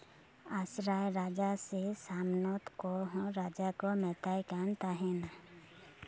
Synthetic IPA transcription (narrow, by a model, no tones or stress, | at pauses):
asɾaːjɾaːd͡ʒasesaːmnot̪koɦɾaːd͡ʒakomɛːt̪ajkant̪aɦɛna